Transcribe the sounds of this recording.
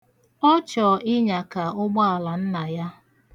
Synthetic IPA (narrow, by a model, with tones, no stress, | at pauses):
ɔ˦t͡ʃɔ˨ɪ˦ɲa˨ka˨ʊ˦ɡ͡bɔ˦a˨la˨n̩˦na˨ja˦